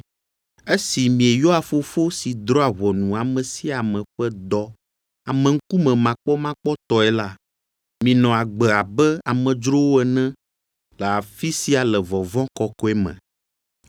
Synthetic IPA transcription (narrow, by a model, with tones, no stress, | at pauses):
e˦si˨mĩ˨ɛ˨jo˦a˨fo˦fo˦si˨d̪ɾɔ˦a˨βɔ˨nũ˨a˨mɛ̃˨si˦a˨mɛ̃˨ɸɛ˦d̪ɔ˦ | a˨mɛ̃˨ŋ̩˦ku˦mɛ̃˨mã˨k͡pɔ˦mã˦k͡pɔ˦t̪ɔ˨ɛ˨la˦ | mĩ˨nɔ̃˨a˨ɡ͡bɛ˨a˨bɛ˦a˨mɛ̃˨d͡ʒɾo˦wo˦ɛ˦˨nɛ̃˦ | lɛ˨a˨fi˦si˦a˨lɛ˨vɔ˨vɔ̃˦kɔ˦kɔ˦ɛ˦mɛ̰̃˨